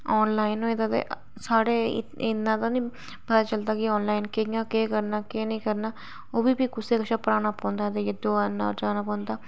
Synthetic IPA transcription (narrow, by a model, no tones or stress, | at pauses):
ɔːnlaːɪnõːed̪aːt̪ḛ | saːɽeːɪnːãːt̪ãːnĩː | pət̪aːt͡ʃəld̪aːkɪɔːnlaːɪnkɪãːkeːkəɾnaːkeːnəĩːkəɾnaː | oːbʱiːbiːkʊseːkəʃʰaːpəɾaːñaːpɔ̃ːnd̪aːt̪ejed̪oːaːnaɔ̰ːɾd͡ʒaːnaːpɔ̃ːnd̪aː